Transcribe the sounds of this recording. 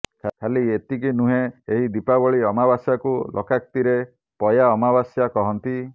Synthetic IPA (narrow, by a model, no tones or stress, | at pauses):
kʰaliet̪ik̬inuɦeeɦid̪ipabɔɭiɔmabasjakulʔɔ̰kak̚t̪iɾe | pɔjaɔmabasjakɔɦɔnt̪i